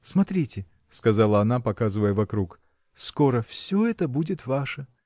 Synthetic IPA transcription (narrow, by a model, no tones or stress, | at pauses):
smɐt̪ɾʲitʲɪ | skɐzalˠəɐnapɐkazɨvəjəvɐkɾuk | sko̞ɾəfsʲoɛt̪əbudʲɪt̪vaʂə